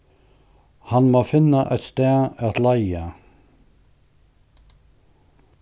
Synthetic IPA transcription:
hɑnmoːfɪnaʔɛ̰t̪st̪ɛːat̪laɪa

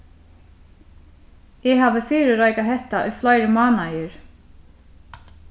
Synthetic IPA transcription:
ɛɦavɪfɪːɾɪɾaːjkaɦɛht̪aʔʏ̰jflaːjɾɪmaːnajɪɾ̥

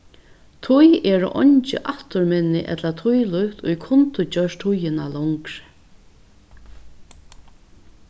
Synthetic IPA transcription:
t̪ʰʊjɛːɾʊ̰ʔɔɲt͡ʃɪ̰ʔaht̪ʊɾmɛnːɪ̰ʔɛ̰t̪lat̪ʰujlʊht̪ʊ̰jkʰʊnt̪ʊt͡ɕœʂt̪ʰʊjɪnalɔŋkɾ

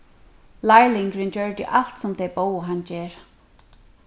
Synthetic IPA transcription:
lajlɪŋkɾɪnt͡ɕœɹt̪ɪ̰ʔalt̪sʊmt̪ʰejboːwɦant͡ɕɛːɹ

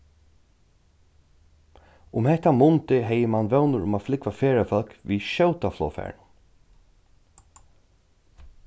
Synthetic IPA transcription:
ʊmhɛht̪ːamʊnt̪ɪɦɛjɪmanʋɛwnʊɾʊ̰maːflɪkʋafeːɹafœlkʋiʃœwt̪aflɔ̰ːfɛ̰ːɹn

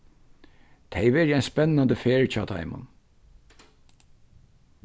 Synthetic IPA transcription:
t̪ʰejʋɛːɾɪajnspɛnːand̪əfeːɹt͡ʃʰɔːt̪ʰa̰ɪmʊ̰n

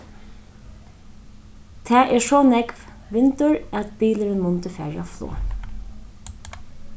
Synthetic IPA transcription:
t̪ʰæːʔɛʂɔnɛkʋ | ʋɪnt̪ʊɹæt̪̚biːləɾənmʊnt̪əfæ̰ːɹɑflo̰ː

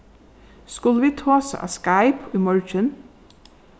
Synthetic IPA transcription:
skʊləʋiːt̪ʰoːsə̰ʔɑ̰ːskæɪpʰiːmɔɹt͡ʃən

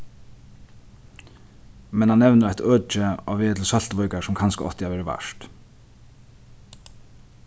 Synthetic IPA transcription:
mɛnhanːɛʋnəɾajht̪œːt͡ʃɪa̰ʋveːt̪l̩sɔl̥t̪ʋɔʏkasʊmkʰanskəɔ̰ht̪ɪaʋɛːɾɪʋa̰ʂt̪

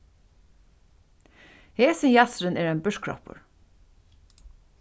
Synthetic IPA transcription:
heːsənjɑsɾəneːɹeːnbʉʃkʰɹɔ̰pə̰ɹ

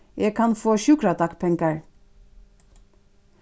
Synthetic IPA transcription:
jɛːkʰɑnfoːʃʉːkɾad̪ɑkpʰɛŋkɑɹ

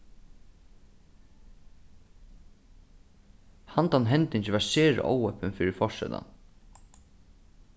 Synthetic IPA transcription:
hant̪anɦɛnt̪ɪɲt͡ɕɪʋaɹseːɹɪ̰ʔo̰ːwœpɪnfiːɾɪfɔʂɛ̰t̪a̰n

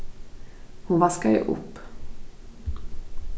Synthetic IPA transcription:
hʊnvaskajə̰ʔʊ̰pː

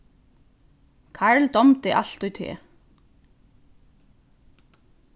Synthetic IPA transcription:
kʰaɹld̪ɔmt̪ɪʔa̰l̥t̪ʊjt̪ʰḛː

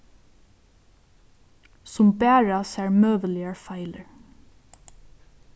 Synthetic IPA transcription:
sʊmbæːɹasæɹmøːʋəlɪəɹfaɪləɹ

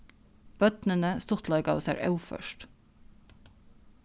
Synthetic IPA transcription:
b̥œt̪nənəst̪ʊt̪ʰlɑɪɡɑ̰o̰ːsæ̰ːɾʔɑʉfœ̰ʃʈ

